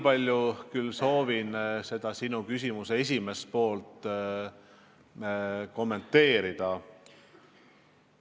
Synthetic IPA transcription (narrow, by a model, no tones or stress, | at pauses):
pɑlʲjukylso̞ːvinse̞d̪̥ɑsinukysʲimusee̞s̬ʲime̞st̪̚po̞ːlt̪ˑ | ko̞mːe̞nt̪ːˑe̞ːɾid̪̥ɑ